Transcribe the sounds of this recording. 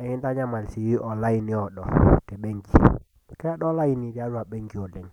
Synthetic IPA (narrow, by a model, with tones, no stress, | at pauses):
ɛ˨ŋɪ˦nda˦ɲa˦ma˨lsi˨ji˦ʔɔ˨la˦i˦ni˨˦ɔ˨ɗɔ̰˨tɛ˨ɓe˦ŋɡi˦˨ | kɛ˦ɗɔ˦la˦i˦ni˨ɾi˦a˦ɾwa˨bɛ˦ŋɡi˦˨o˨le˨ɲ